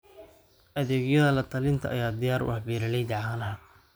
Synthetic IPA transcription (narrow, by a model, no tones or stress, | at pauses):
ʔɐðɛːɡjɐðɐlɐt̪ʰɐlɪnt̪ʰɐʔɐjaːd̪ɪjaːɾʊ̰ʔɐħbiːɾɐlɛjd̪ɑʕanɐɦɐ